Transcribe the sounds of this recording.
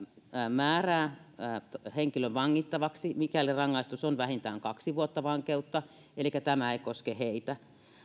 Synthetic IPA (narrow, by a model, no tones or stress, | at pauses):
mæːræː | heŋkiløʋɑŋːit̪ːɑʋɑksimikælirɑŋːɑist̪usonʋæhint̪æ̰ːŋkɑksiʋuot̪ːɑʋɑŋkeut̪ːɑ | elikːæt̪æmæeikoskeheit̪æ